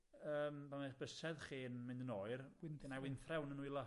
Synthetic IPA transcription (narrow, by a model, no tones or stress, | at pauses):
əːmbamab̥əsɛðχiːnmɪndənoːɨrɪnnawɪnθrɛwnənuilˠa